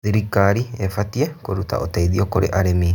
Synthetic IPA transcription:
ðiɾikːaɾiefatiekoɾuta̰ʔotaiðiokoɾḛʔaɾemi

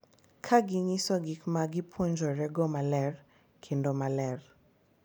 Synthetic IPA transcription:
kʰaɡiɲisɔɡikmaɡipʰwoɲd͡ʒɔɾɛɡɔmalɛr | kʰendomalɛr

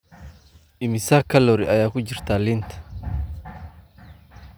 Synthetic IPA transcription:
ʔɪmɪsaːkɐlɔɾɪɐjaːkʊd͡ʒɪɾt̪aːlɪnt̪

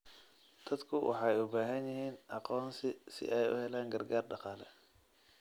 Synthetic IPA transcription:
d̪̥ɐd̪kʰʊwʔɑ̰ħɑjʊbaːɦɐnjɪɦiːnʔɑqɔːnsɪsɪ̰ʔɛjʊ̰hɛlaːŋɡɐrɡaːrɖɑqɑːlɛ

